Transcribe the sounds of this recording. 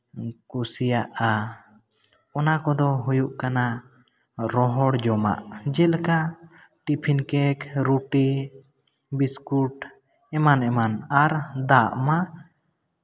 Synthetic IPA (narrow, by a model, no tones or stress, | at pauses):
kusijaʔa | ɔnakɔd̪ɔɦujuʔkana | ɾɔɦɔɽd͡ʒɔma̰ʔd͡ʒɛlka | ʈipʰinkɛkɾuʈi | biskuʈ | ɛmanɛmanaɾd̪aʔma